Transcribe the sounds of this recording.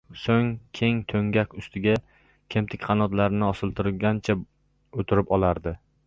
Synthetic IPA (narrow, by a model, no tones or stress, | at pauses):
soŋkʲʰe̞ŋt̪ʰɵŋɡʲakʲʊst̪ʰɪɡʲa | kʲʰe̞mt̪ʰɪkʲqʰɑnɒt̪laɾɪnɪɒsɪlˠt̪ʰɪɾɪlˠɡʲant͡ʃʰa | ot̪ʰɪɾɪpɒlˠaɾd̪ɪ